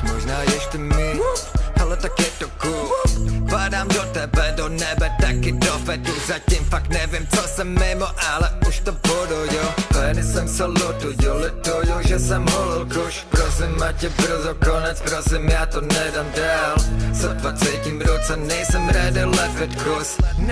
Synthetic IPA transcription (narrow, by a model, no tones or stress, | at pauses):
mɔʒnaːjɛʃcɛmɪɔalɛt̪akɛt̪ɔkukvaːdaːmd̪ɔt̪ɛbɛd̪ɔnɛbɛt̪akɪd̪ɔfɛt̪uzacimfaknɛvjɛmt͡sɔsɛmːɪmɔʔalɛuʃt̪ɔpɔd̪ɔɟɛlɛd̪ɪsɛmsalɔt̪uɟɛlɛt̪ɔjɔʒɛsɛmɦɔlɪlkuʃpɾɔsɪmːacɛpɾɔzɔkɔnat͡spɾɔsɪmjaːt̪ɔnɛd̪and̪aːlzɔd̪vat͡sɛcimɾɔt͡sɛnɛjsɛmɾad̪ɪlɛpɛt̪kɾɔs